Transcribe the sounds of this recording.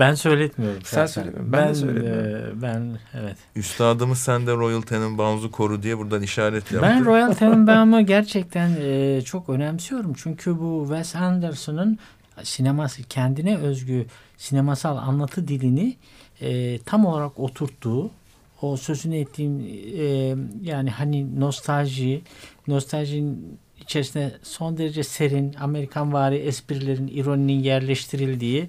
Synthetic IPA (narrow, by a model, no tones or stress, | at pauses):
bænsø̞jlʲɛt̪mijo̞ɾumssbæn̰ | bænevɛt̪yst̪ʰaːd̪ɯmɯsænd̪ɛɾo̞jalˠt̪ʰenimbanzukʰo̞ɾud̪ijɛbuɾd̪aniʃaːɾɛt̪ʰjabænɾo̞jalˠt̪ʰenimbɛnmuɟæɾt͡ʃʰɛc̚t̪ʰænɛt͡ʃʰo̞kø̞nɛmsijo̞ɾumt͡ʃʰyɲcʰybuvɛsænd̪ɛɾsonun | sinemasɯcʰɛnd̪inɛø̞zɟy | sine̞masalˠa̰nlˠat̪ʰɯd̪ilʲini | t̪ʰamo̞lˠaɾako̞t̪ʰuɾt̪ʰːuː | osø̞zynɛt̪ʰːiːn | jaːnihanino̞st̪ʰalʲʒijino̞st̪ʰalʲʒijn | it͡ʃʰe̞ɾisind̪ɛso̞nd̪e̞ɾed͡ʒɛse̞ɾiname̞ɾikʰanvaːɾiʔɛspiɾlʲe̞ɾiniɾo̞nininjæɾlʲɛʃt̪ʰiɾilʲd̪iːi